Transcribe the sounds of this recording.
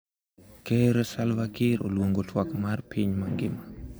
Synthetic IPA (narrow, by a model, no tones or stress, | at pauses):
keɾɛsalvakiɾo̰lwoŋɡotʰwakmarpʰiɲmaŋɡɪma